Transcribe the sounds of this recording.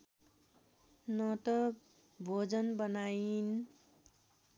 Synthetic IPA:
nʌt̪ʌ | bʱod͡zʌnbʌnajin

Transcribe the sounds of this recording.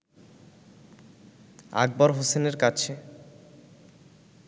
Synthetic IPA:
a̰ɡ̚baɾɦoseneɾkat͡ɕʰe

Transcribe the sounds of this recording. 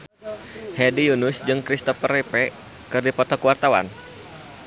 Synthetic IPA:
hɛdijunʊsd͡ʒɨŋkɾist̪ɔfərɛpɛ | kɨrdipɔt̪ɔkuwart̪awa̰n

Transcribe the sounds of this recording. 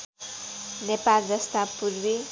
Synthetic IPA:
nepald̪ʌst̪apurbi

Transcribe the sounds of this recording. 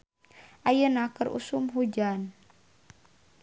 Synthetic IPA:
ʔajənakərṵsumɦud͡ʒan

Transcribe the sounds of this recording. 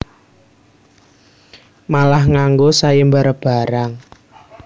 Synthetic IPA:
malahŋaŋɡosajembaɾəb̥a̤ɾaŋ

